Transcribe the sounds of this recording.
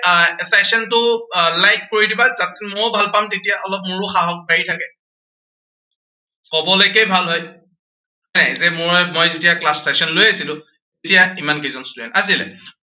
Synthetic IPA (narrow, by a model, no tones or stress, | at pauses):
sɛsɔntʊlajk̚koɹidibazatmojbʱalpamtetijaʔɔlɔp̚mʊɹʊxaɦɔk̚baɹitʰakɛ | kɔbɔlojkejbʱalɦoj | ɔjnajzɛmʊɹɛmojzetijaklasːɛsɔnlojasilʊ̃ | etijaimankezɔnstuɛ̰nas̬ilɛ̰